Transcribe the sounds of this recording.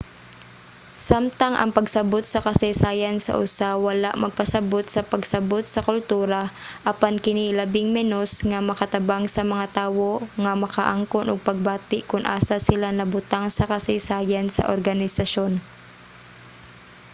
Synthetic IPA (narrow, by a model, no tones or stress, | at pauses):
samt̪ɐŋʔɐ̰ŋpɐɡsɐbo̞t̪̚sɐkɐsɛjsaːjɐnsɐ̰ʔʊsawɐlaʔmɐɡ̚pɐsɐbo̞t̪̚sɐpɐɡsɐbot̪̚sɐkʊlt̪uːɾɐʔɐpankɪnilɐbɪŋmɛnosŋɐmɐkɐt̪ɐbaŋsɐmɐŋat̪aːwo̞ŋɐmɐka̰ʔaŋkonʔoɡ̚pɐɡ̚baːt̪ɪʔkʊnʔa̰ːsasɪlanɐbʊt̪aŋsɐkɐsɪjsaːjɐnsɐ̰ʔoɾɡɐnɪsɐʃo̞n